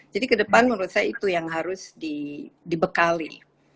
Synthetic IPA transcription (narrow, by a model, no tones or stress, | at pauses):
d͡ʒadikədəpanməɾusajit̪ujaŋɦaɾʊsdidibəkali